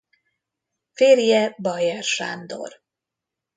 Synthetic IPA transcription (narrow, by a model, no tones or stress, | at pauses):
feːrjɛbɒjɛrʃa̰ːnd̪o̞̰r